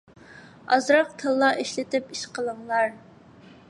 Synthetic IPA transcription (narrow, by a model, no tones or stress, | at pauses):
ɑzɾɑq̚t̪ʰɨlˠːɑʔiʃlɪt̪ɪpiʃqʰəlˠəŋlˠɑɾ